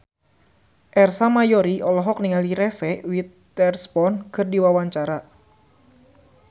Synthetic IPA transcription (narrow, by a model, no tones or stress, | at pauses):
ʔɛrsamajɔɾiʔɔlɔɦɔk̚niŋaliɾɛsɛwit̪ː | ɛrspɔnkʰɨrdiwawaɲt͡ʃaɾa